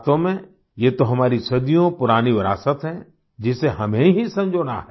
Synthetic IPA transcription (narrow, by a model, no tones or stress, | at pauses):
t̪õmẽ | jeːt̪oɦɐmaːɾisɐd̪ijõpʊɾaːniʋɪɾa̰ːsət̪ɦɛ̃ | d͡ʒɪseɦɐmẽɦisɐ̃md͡ʒʱona̰ɦɛ